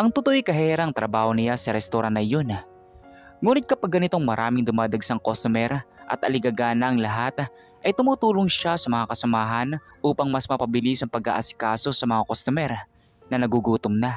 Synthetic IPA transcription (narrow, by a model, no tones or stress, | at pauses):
ʔɐŋt̪ʊt̪oʔikɐɦɛːɾɐɐŋt̪ɾɐbaːhonɪjasɐɾɛst̪oɾanɐjon | ŋuːnɪt̪̚kɐpɐɡːɐnɪt̪o̞ŋmɐɾʔa̰ːmɪŋd̪ʊmaːd̪ɐɡsɐŋkost̪ʊmɛɾʔɐ̰t̪ʔɐlɪɡɐɡaːnɐʔɐŋlɐɦat̪ | ʔɐjt̪ʊmuːt̪uːloŋʃasɐmɐŋakɐsɐmaːɦɐn | ʔuːpɐŋmɐsmɐpɐbɪlisɐŋpɐɡa̰ʔasɪ̥kaːso̞sɐmɐŋakost̪omɛɾ | nɐnɐɡuɡuːt̪ʊmnɐ